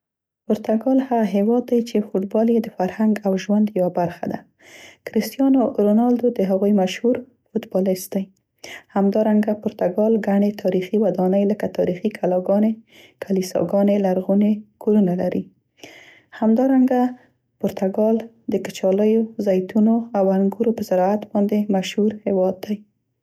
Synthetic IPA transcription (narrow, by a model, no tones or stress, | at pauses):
poɾt̪aɡɑlhaɣaɦewɑd̪ːajt͡ʃefoʈbɑljed̪əfaɾhaŋɡawʒwand̪jawabaɾxa̰d̪a̰ | kɾɪst̪jɑnoɾonɑld̪od̪əɦaɣojmaʃhuɾ | fut̪bɑlɪst̪̚d̪aj | hamd̪ɑɾaŋɡapʊɾt̪aɡɑlɡaɳet̪ʰɑɾixiwad̪ɑnəjləkat̪ɑɾixikʰalɑɡɑne | kʰalisɑ̰ɡɑnelaɾɣunekoɾunalaɾi | hamd̪ɑɾaŋɡa | pʊɾt̪aɡɑl | d̪əkə̥t͡ʃɑləjozajt̪unoawaŋɡuɾopəzaɾɑat̪bɑnd̪emaʃhuɾhɪwɑd̪ːaj